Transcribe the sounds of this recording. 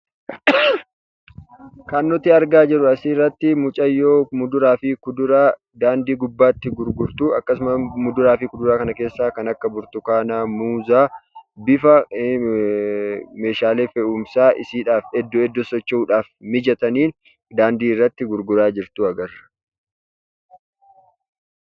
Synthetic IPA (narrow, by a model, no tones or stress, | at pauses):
kanːɔt̪ɪɐɾɡaːd͡ʒɛᶑʊɐsiːrːɐt̪ːɪmʊt͡ʃʼɐjːoːmʊd̪ʊɾaːfikʊd̪ʊɾaː | d̪aːnd̪iːɡʊbːaːt̪ːɪɡʊɾɡʊɾt̪uːɐkːɐsʊmɐmʊd̪ʊɾaːfɪkʊd̪ʊɾaːkɐnɐke̞ːsːaːkɐnɐkːɐbʊɾt̪ʊkaːnaːmuːzaːbɪfɐ | me̞ːʃaːleːfɛuːmsaːʔɪsiːᶑaːfɛd̪ːɔɛd̪ːɔsɔt͡ʃːɛuːᶑaːfmɪd͡ʒɐt̪ɐniːn | d̪aːnd̪iːɪrːɐt̪ːɪɡʊɾɡʊɾaːd͡ʒɪɾt̪uɐɡɐrːɐ̥